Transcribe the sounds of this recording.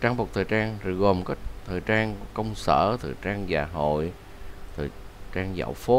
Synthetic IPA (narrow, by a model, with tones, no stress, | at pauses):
t͡ɕaː˧ŋɓk͡p̚t̪ʰəː˨˩jt͡ɕaː˧ŋzə˨˩ɣo˨˩mkə˦˥t̪ʰəː˨˩jt͡ɕaː˧ŋkə˧wŋ͡msə̰ː˧˩t̪ʰəː˨˩t͡ɕaː˧ŋzaː˨˩ɦo̰˧˨j | t̪ʰəː˨˩t͡ɕaː˧ŋza̰˧˨˩wfo˨˦